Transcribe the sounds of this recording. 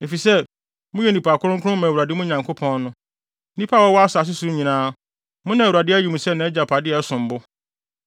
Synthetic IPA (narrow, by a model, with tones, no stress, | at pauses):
e˨fi˨sɛ˦ | mʊ̃˦jɛ˦˨nĩ˨pa˨kʰʊ˦ɾʊ̃˦ŋ˦kʰʊ˦ʊ̃˦mã˨wu˨a˨dɪ˦mʊ̃˦ɲã˨ŋkʰo˦pʰɔ̃˦nnʊ̃˦ | nĩ˦pʰa˦˨wɔ˦wɔ˦a˦sa˨s̬ʊ˦su˨˦ɲĩ˨nãː˦ | mʊ̃˦nã˨u˨a˨dɪ˦æ˦ji˨mũ˨sɛ˦nã˨˦ɛ˦d͡ʑa˨pʰa˨dɪ˦ɛ˨˦sʊ̃˨m̩˨bʊ˦